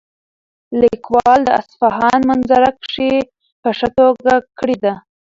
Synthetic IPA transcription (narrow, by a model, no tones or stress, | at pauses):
likwɑld̪əa̰sfaɦɑnmanzaɾakʂe | pəʂat̪oɡakəɽid̪a